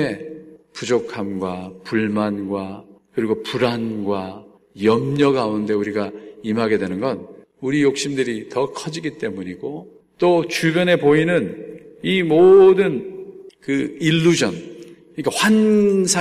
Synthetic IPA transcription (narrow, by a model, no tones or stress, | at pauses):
e̞pud͡ʑokʰamɡwapuɭmanɡwakɯɾiɡopuɾanɡwa | jʌmɲʌɡaunde̞uɾiɡaimɦaɡe̞dwe̞nɯnɡʌn | uɾijok̚ɕ͈imdɯɾitʌkʰʌd͡ʑiɡit͈e̞muɲiɡo | t͈ot͡ɕubjʌne̞poinɯnimodɯnkɯilːud͡ʑʌn | ik͈awansʰa